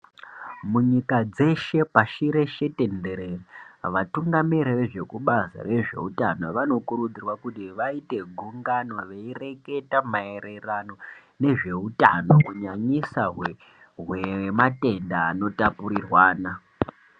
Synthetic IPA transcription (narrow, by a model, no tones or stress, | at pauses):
muɲikad͡ze̞ʃe̞paʃiɾe̞ʃe̞te̞nde̞ɾeraʋatuŋɡamiɾeʋe̞ʐe̞kuɓaza̰re̞ʐe̞̰utanoʋano̞kuɾud͡zirwakutiʋaite̞ɡʱuŋɡanwaʋe̞ire̞ke̞tamae̞ɾe̞rano̞ | ne̞ʐe̞uta̰no̞kuɲaɲisaɦwe | ɦwemate̞ndaːno̞tapuɾirwaːna